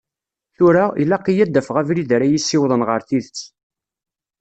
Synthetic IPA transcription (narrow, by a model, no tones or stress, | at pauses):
θʊɾailːæqːijæd̪ːæfʁævɾiðɾæjisːɪwðˤənʁəɾθiðət͡sː